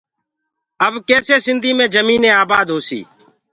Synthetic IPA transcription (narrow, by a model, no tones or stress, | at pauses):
əbkeːseːsɪnd̪ʱiːmẽːd͡ʒəmiːnẽːaːbaːd̪ɦoːsḭː